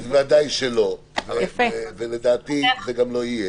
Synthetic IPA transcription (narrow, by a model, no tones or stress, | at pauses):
vad̪ajʃelo̞ | vejafeveled̪aːt̪izeɡamlo̞ije